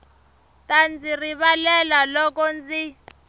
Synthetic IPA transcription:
tand͡ziriɓalɛlalɔk̬ɔnd͡zi

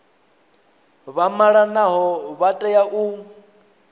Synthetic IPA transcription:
βamaɺanaɦɔβatʼɛjaʔu

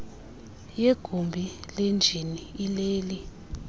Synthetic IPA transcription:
jeɡ̥ʱumbʱilend͡ʒʱiniːleːli

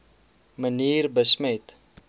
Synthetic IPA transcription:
məniːrbəsmət

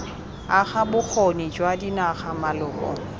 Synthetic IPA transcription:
aχabʊk͡xʰɔnid͡ʒwadinaχamalʊːkɔ̰

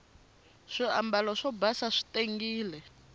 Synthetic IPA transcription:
ʂiambalɔʂɔbasaʂi̥teŋɡiːlɛ

